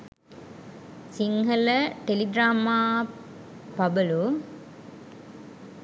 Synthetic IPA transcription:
siŋɦɐləʈeliɡɾaːmaː | pɐbɐlu

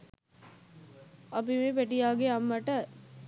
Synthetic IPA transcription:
ɐp̬imepæʈijaːɡeamːəʈə

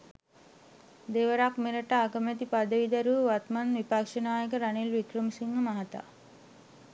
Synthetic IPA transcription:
d̪eʋəɾakmeɾəʈaːɡəmet̪ipad̪əʋid̪ɐɾuʋat̪manʋipakʂənaːjəkəɾanilʋikrəmsiŋːəmaɦat̪a̰

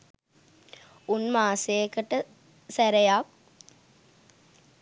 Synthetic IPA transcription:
unmaːsekəʈə | sæɾejak

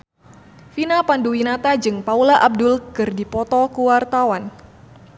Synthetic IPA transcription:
finapanduwinat̪ad͡ʒɨŋpaulaʔab̚dʊlkɨrdipɔt̪ɔkuwart̪awan

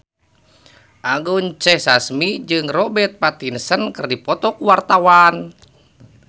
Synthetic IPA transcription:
ʔaɡuɲt͡ʃɛhsasmid͡ʒɨŋrɔbɛt̪̚pat̪insənkɨrdipɔt̪ɔkuwart̪awan

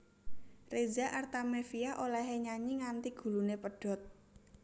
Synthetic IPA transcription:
rezaʔart̪amefiaʔolɛɦeɲaɲiŋant̪iɡ̥ṳlunepəɖ̥ɔ̤t̪̚

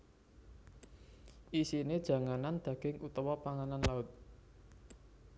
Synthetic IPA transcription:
ʔisined̥ʒ̥ä̤ŋanand̪̥ä̤ɡ̥ɪŋʔut̪ɔwɔpaŋananlaʊt̪̚

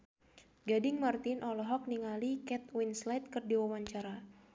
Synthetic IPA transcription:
ɡadɪŋmart̪ɪnʔɔlɔɦɔk̚niŋalikɛt̪̚winslajt̪̚kɨrdiwawaɲt͡ʃaɾa

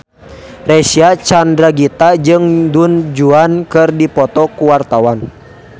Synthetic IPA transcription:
rɛsiat͡ʃandɾaɡit̪ad͡ʒɨŋdund͡ʒuankɨrdipɔt̪ɔkuwart̪awan

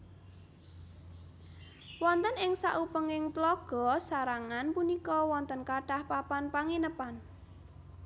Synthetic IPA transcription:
wɔnt̪ənɪŋsaʔupəŋɪŋt̪lɔɡ̥ɔ̤saɾaŋanpunikɔwɔnt̪ənkaɖ̥ahpapanpaŋinəpan

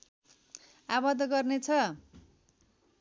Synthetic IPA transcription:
abʌd̪ɡʌrnet͡sʰʌ

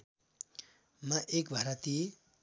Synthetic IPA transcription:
mʌʔekbʱaɾat̪i

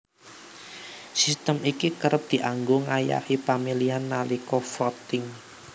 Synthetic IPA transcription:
sist̪əmikikəɾəp̚d̪̥i̤ʔaŋɡoŋaja̰hipamilianːalikɔfɔt̪ɪŋ

